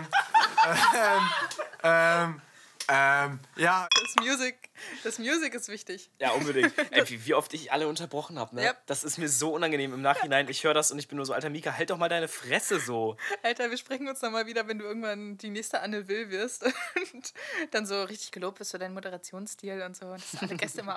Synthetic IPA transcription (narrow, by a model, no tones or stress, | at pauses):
mʔɛm | ʔɛmjaːd̥asmjuːzɪk̚d̥asmjuːzɪkɪstv̥ɪçtɪçjaːʔʊnbədɪŋtʔɛviviːʔɔftɪçʔa̰ləʊntɐbʁɔχn̩haːbənəad̥asɪstmiːɐzoːʔʊnanɡəneːmɪmnaːχhɪnaɪnɪçhøːʁədasʊntɪçb̥ɪnːuːɐzoːʔaltɐmiːkaɦɛltd̥ɔχmaːldaɪnəfʁ̥ɛsəzoːʔaltɐviːɐʃpʁ̥ɛçŋ̩ʊnsnɔχmaːlviːdɐvɛnduːɪɐɡŋ̩tv̥andiːnɛːçstəʔanəvɪlvɪɐstʊntd̥anzoːʁɪçtɪ̥çɡ̥əloːp̚tv̥ɪɐstfoːdaɪnmodəʁat͡sjoːnsstiːlʊntz̥oːʊntd̥aszɪnaləɡɛstəɪmɐ